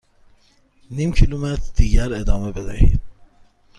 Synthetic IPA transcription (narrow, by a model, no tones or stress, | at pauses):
nimcʰilumet̪ʰɾd̪̥iːɟæɾed̪ɒːmebed̪æ̰hḭːd̪̥